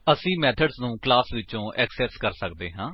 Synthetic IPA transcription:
əsĩːmɛːt̪ʰəɖznũːklaːsʋɪt͡ʃõːʔɛːksɛːskəɾsəkd̪eːɦãː

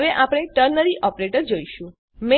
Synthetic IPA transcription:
ʋeʔapɽ̃eʈəɾnəɾiʔɔpɾeʈəɾd͡ʒoiʃũ | me

